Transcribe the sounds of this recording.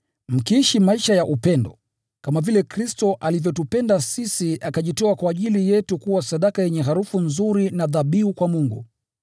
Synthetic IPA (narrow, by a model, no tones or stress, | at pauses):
m̩kiiʃimaiʃajaʔupɛndɔ | kamavilɛkɾistɔʔalivjɔtupɛndasisiʔakaʄitɔakwaːʄilijɛtukuwasaɗakajɛɲɛɦaɾufunzuɾinaðaɓiukwamuŋɡṵ